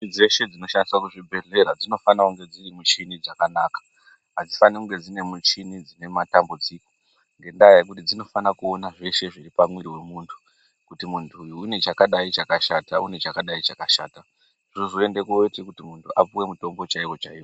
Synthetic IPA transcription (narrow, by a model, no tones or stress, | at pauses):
id͡ze̞ʃe̞d͡zino̞ʃandiswakuʐibʱe̞ɮe̞ɾad͡zino̞fanakuŋɡe̞d͡zirimut͡ʃinid͡zakanaːkḁ | ɦad͡zifanekuŋɡe̞d͡zine̞mut͡ʃinid͡zine̞matambud͡ziːko̥ | ŋɡe̞ndajaek̬utid͡zino̞fanakuo̞naʐe̞ʃe̞ʐiɾipamwiɾiwe̞muːntʰu̥ | kutimuntʰuːjuːne̞t͡ʃakaɗait͡ʃakaʃataune̞t͡ʃakaɗait͡ʃakaʃaːta | ʐuzoe̞nde̞kuotekutimuntʰuʔapuwe̞muto̞mbo̞t͡ʃaiwo̞t͡ʃaiwo